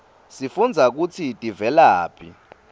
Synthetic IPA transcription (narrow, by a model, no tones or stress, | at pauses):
sifund͡zʱak̬ut͡sʰitʼivɛlaːpʰi